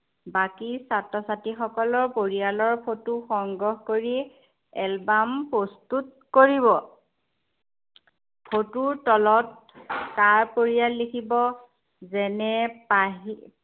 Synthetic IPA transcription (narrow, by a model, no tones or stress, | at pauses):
bakisatɔsatixɔkɔlɔɹpoɹialɔɹpʰotuxɔŋɡɔɦkoɹi | ɛlbampɹɔstut̚ | koɹiβɔ | pʰotuɹtɔlɔt̚ | kaɹpoɹijalːikʰibɔ | zɛnɛpaɦ